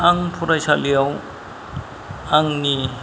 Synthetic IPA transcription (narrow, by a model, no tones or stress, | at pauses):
aŋpʰuɾajsalijaw | aŋni